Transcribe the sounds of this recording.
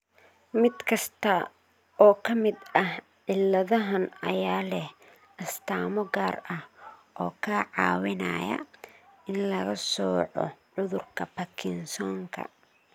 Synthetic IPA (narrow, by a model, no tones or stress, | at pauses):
mɪd̪kʰɐst̪ʰɐ | ɔːkʰɐmɪd̪ɐh | ʕɪlːɐðɐɦɐnɐ̰jaːlɛh | ɐst̪ʰaːmɔɡaːrɐhʔɔːkʰɐʕɑ̰ːwɪna̰jɐ̰ɪnlɐɣɐsɔːʕɔ̰ʕʊðʊrkʰɐpɐkʰɪnsɔːŋkʰɐ̰